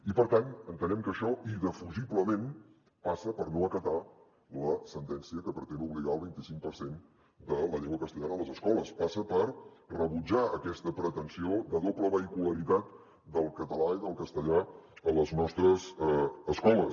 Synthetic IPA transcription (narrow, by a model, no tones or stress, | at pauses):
ipəɾt̪anənt̪ənɛmkəʃɔiðəfuʒiβləmẽn | pasəpəɾnoəkət̪a | ləsənt̪ɛnsiəkəpɾət̪enuβliɣaəlˠβint̪isiŋk̚pəɾsen | d̪ələʎeŋɡwəkəst̪əʎanəələzəskɔləspasəpəɾrəβud͡ʒaəkɛst̪əpɾət̪ənsioðəðopləβəikuləɾit̪at̪̚ | d̪əlˠkət̪əlaiðəlˠkəst̪əʎaələznɔst̪ɾəzəskɔlə